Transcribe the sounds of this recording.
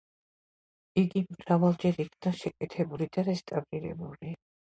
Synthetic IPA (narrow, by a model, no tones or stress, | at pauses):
iɡimɾavalˠd͡ʒɛɾikʰnaʃɛkʼɛt̪ʰɛbulid̪aɾɛst̪ʼavɾiɾɛ̰buli